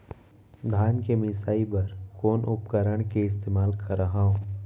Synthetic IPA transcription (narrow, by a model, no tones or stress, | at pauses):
d̪ʱaːnkemɪsaːibɐɾkoːnʔʊpkəɾəɽ̃keɪst̪eːmaːlkʰɐɾːəɦaɦõː